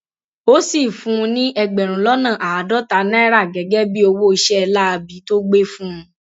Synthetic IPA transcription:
o˦si˦˨fũ˨˦˧nĩ˦ʔɛ˧ɡ͡bɛ˨ɾ̃ũ˨˦lɔ˦nã˦˨ʔa˨a˨dɔ˨˦ta˧˦nɛ̃˦ɾa˦˨ɡɛ˨˦ɡɛ˦bi˦o˧wo˦i˧ʃɛ˦˧la˦a˧bi˨˦to˦ɡ͡be˦fũ˦˧˦

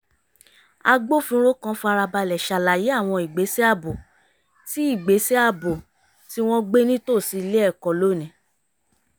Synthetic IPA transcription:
a˧ɡ͡bo˦˨fĩ˧˦ɾo˦kã˧˦fa˧ɾa˧ba˧lɛ˨ʃa˨la˨je˨˦a˦˨w̃ɔ̃˧i˨ɡ͡be˨˦se˦a˦˨bo˨ | ti˨˦i˦˨ɡ͡be˨˦se˦a˦˨bo˨ | ti˦w̃ɔ̃˦ɡ͡be˦nĩ˦to˦˨si˧˦le˦ɛ˦˨kɔ˨lo˦˨nĩ˨˦

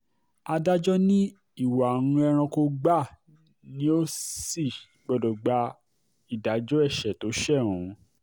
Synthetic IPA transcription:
a˧da˦d͡ʒɔ˦nĩ˦ | i˦˨wa˨ñũ˧˦ɛ˧ɾ̃ã˧ko˧ɡ͡ba˦˨ | nĩ˦o˦si˦˨i˨ɡ͡bɔ˧dɔ˨ɡ͡ba˧˦ | i˦˨da˨˦d͡ʒɔ˦ɛ˦˨ʃɛ˨to˨˦ʃɛ˦˨ɾũ˨

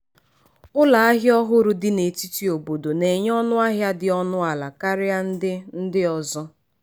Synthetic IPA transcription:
ʊ˦la˨a˦ɦjɔ˦ɦʊ˦ɾʊ˦dɪ˦ne˨ti˦ti˨o˨bo˨do˨ne˨ɲ˦ɔ˦nʊ˦a˦ɦja˦dɪ˨ɔ˦nʊ˦a˨la˨ka˦ɾɪ˦a˦n̩˦dɪ˦n̩˦dɪ˦ɔ˨zɔ˦

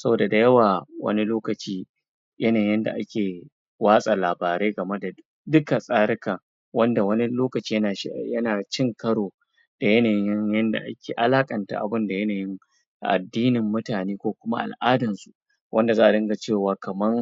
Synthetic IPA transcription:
sɐ˦boː˨da˨da˨jɐ˦waː˨wɐ̰˦ni˦loː˦kɐ˨t͡ʃiː˦ | jɐ˦naː˨jɪ˦nda̰˨ʔa˦kʲʰeː˨ | waː˦sʼa˨laː˨baː˨ɾeː˦ɡɐ˨me˦da˨ | dʊ˦ka˨sʼaː˦ɾɪ˦ka˨ | wɐ˦nda˨wɐ˦ni˦loː˦kɐ˨t͡ʃiː˦jjɐ˦naː˨t͡ʃɪ˦ŋkɐ˦ɽoː˨ | d̥a˨jɐ˦naː˨jɪ˦jɪ˦ŋjɐ˦nda̰˨ʔa˦kʲeː˨ʔa˦laː˦kʼɐ˨nta̰˨ʔa̰˨bɪ˦nda˨jɐ˦naː˨jɪ˦ŋ | ʔa̰˨dːiː˦nɪ˨mːʊ˦taː˨neː˦kʷoː˦kʷʊ˦ma˦ʔa̰˨lʔaː˦dɐ˨nsu˨ʔ | wʔɐ˦nda˨zaː˦ʔa˨dɐ˦ŋɡa˨t͡ʃeː˦˨waː˨kɐ˨mɐ˦ŋ

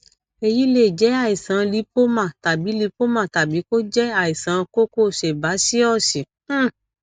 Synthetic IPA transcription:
e˧ji˦le˦˨d͡ʒɛ˨˦a˦˨i˨sã˨˧li˨˦po˦mã˦˨ta˨bi˨˦li˧˦po˦mã˦˨ta˨bi˨˦ko˦d͡ʒɛ˦a˨i˨sã˨˧ko˦ko˦˨ʃe˨ba˨˦si˦ɔ˦˨ʃe˨˦˨

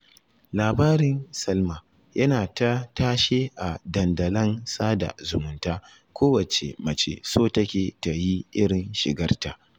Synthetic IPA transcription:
laː˨baː˦ɾɪ˦nsɐ˦lmaː˨ | jʔɐ˦naː˨ta˦taː˦ʃeː˦ʔa˨dɐ˨ndɐ˨lɐ˦nsaː˦da̰˨zʊ˨mʊ˨˦ntaː˦ | kʷoː˦wɐ˨t͡ʃḛ˨mɐ˨t͡ʃḛ˦soː˦tɐ˦kʲeː˨ta˨ji˦ʔɪ˦ɽɪ˨nʃɪ̰˨ɡɐ˦rta˨ʔ

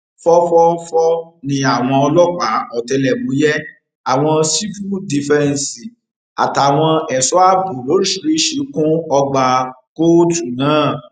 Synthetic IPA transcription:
fɔ˦fɔ˦fɔ˦nĩ˧a˨w̃ɔ̃˧ɔ˧lɔ˦k͡pa˨˦ɔ˨tɛ˧lɛ˨mũ˨˦jɛ˦ | a˨w̃ɔ̃˧si˦fu˦di˨fɛ˦˧n̩˨si˨ | a̰˨ta˨w̃ɔ̃˧ɛ˨sɔ˦a˦bu˨lo˨˦ɾi˦˨ʃi˨ɾi˦ʃi˨˦kũ˦ɔ˧ɡ͡ba˧ko˦tu˨nãː˨˦˨

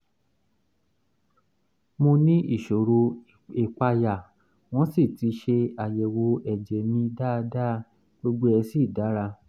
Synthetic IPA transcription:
mõ˧nĩ˦i˦˨ʃo˨ɾo˧ | e˨k͡pa˧ja˨ | w̃ɔ̃˦si˦˨ti˨˦ʃe˧a˨jɛ˨wo˧˦ɛ˨d͡ʒɛ˨mĩ˧da˦˧da˦ | ɡo˦ɡ͡be˦ɛ˧si˦˨da˨˦ɾa˧

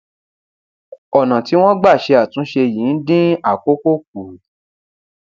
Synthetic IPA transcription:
ɔ˨nã˨ti˨˦w̃ɔ̃˦ɡ͡ba˦˨ʃe˧a˨tũ˨˦ʃe˧jĩ˨˦n̩˦dĩ˦a˦˨ko˦ko˦k̚u˨

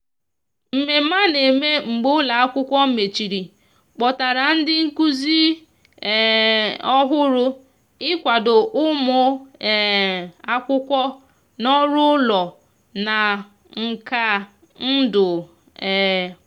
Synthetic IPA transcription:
m̩˨me˨˦ma˦ne˨me˦ŋ͡m̩˨ɡ͡bo˦la˨a˦kʷʊ˦kʷɔ˦m̩˦me˨t͡ʃi˨ɾi˨ | k͡pɔ˨ta˨ɾa˨n̩˦dɪ˦ŋ̩˦ku˦zi˦˨ | ɔ˦ɦʊ˦ɾʊ˦ | ɪ˦kʷa˨dʊ˨ʔʊ˦mʊ˨ | a˦kʷʊ˦kʷɔ˦ | nɔ˦ɾʊ˦lɔ˨ | na˨ | ŋ̩˨ka˨ | n̩˦dʊ˨

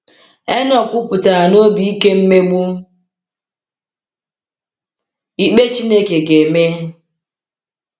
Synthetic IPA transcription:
e˦nɔ˨kʷʊ˦pʊ˨ta˨a˨no˦bi˨i˦ke˦m̩˦me˦ɡ͡bu˦m̩˦ | i˦k͡pe˦t͡ʃi˦ne˦ke˨ɡe˨me˦

